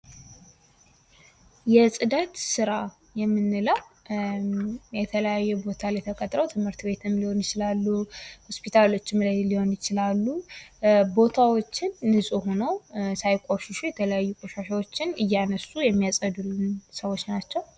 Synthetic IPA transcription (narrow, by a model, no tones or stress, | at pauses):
jɛsʼɨd̪at̪sɨɾa | jɛmːɨnːɨləw | jɛt̪ʰələjajːɛbo̞t̪ʰaljɛt̪ʰəkʼət̪ʼɾəwt̪ʰɨmhɨɾt̪be̞t̪ʰɨmliho̞njɪt͡ʃɪlalːuho̞spit̪ʰalo̞t͡ʃːɨmlajliho̞njɪt͡ʃɪlalːu | bo̞t̪ʰawot͡ʃːɪnːɨsʼuho̞nəwsajkʼoʃɪʃujɛt̪ʰələjajːukʼoʃaʃawot͡ʃːɪnɨjːanəsujɛmːijasʼəd̪ulɨnsəwo̞t͡ʃːnat͡ʃːɛw